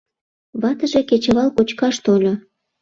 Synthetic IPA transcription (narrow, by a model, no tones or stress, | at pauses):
βɑt̪əʒeket͡ɕə̆βɑlkot͡ɕkɑʃt̪olʲo